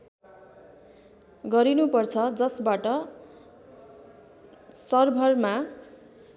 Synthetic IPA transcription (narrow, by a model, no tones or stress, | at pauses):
ɡʌɾinupʌrt͡sʰʌd͡zʌsbaʈʌ | sʌrbʱʌrma